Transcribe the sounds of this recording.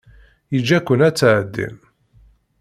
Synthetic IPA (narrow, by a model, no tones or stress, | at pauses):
jid͡ʒːækʷːənæt͡sːʕəd̪ːḭm